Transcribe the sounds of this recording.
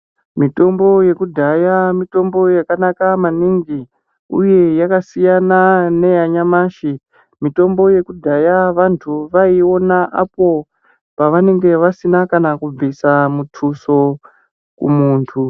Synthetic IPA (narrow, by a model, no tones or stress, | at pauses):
mito̞mbo̞je̞kudʱajamito̞mbo̞jakanakamaniŋɡi | ṵje̞jakasijanane̞jaɲamaːʃi | mito̞mbo̞je̞kudʱajaʋantʰuʋaio̞naʔapo̞ | paʋane̞ŋɡe̞ʋasinakanakub͡visamutʰuso̞ | kṵmuːntʰu